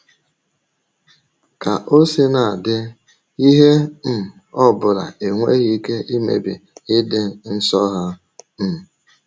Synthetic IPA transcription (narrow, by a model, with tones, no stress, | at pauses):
ka˨ʔo˦si˦na˨dɪ˦ | i˦ɦe˦m̩˨ | ɔ˦bʊ˨ɾa̰˨e˨ŋʷe˦ɣi˦ke˦ʔi˦mḛ˨bɪ̰˨ɪ˦dɪ˦n̩˦sɔ˦ɦa˦ | m̩˨